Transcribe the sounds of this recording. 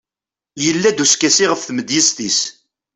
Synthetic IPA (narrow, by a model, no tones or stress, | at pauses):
jəlːæd̪uskːæsiʁəfθməd̪jisθis